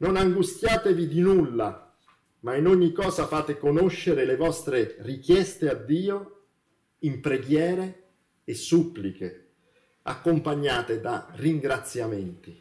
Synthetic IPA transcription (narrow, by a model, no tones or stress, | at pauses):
nonaŋɡust̪jaːt̪evid̪inulːa | mainoɲːikːɔːzafaːt̪ekonoʃːeɾelevɔst̪ɾerik̟jɛst̪ead̪ːiːo | impɾeɡjɛːɾeː | sːupːlike | a̰kːompaɲːaːt̪ed̪a̰riŋɡɾat̪sːjament̪i